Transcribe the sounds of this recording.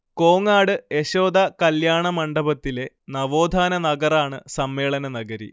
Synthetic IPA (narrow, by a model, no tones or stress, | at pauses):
ko̞ːŋaːɽɨe̞ɕo̞ːd̪ɐkɐljaːɳɐmɐɳɖɐbɐt̪ːile̞ | nɐʋo̞ːd̪ʱaːnɐnɐɡɐraːɳɨsɐmːe̞ːɭɐnɐnɐɡɐɾḭ